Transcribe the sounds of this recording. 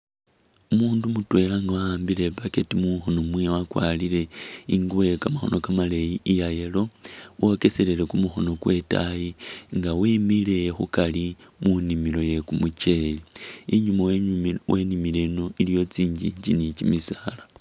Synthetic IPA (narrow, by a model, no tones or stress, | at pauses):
umuːndumutwe̞laŋɡawaaːmbile̞paketimuxo̞no̞mwijawakwa̰ːlile̞iŋɡuwekamaxo̞̰nʔo̞kamalejiijaje̞lo̞wo̞ke̞selele̞kumuxo̞no̞kwe̞ta̰jiŋɡawimile̞xukalimunimilo̞je̞kumut͡ʃe̞liːɲumawwenimileno̞ilijo̞t͡siːɲɟḭɲd͡ʒinicimisala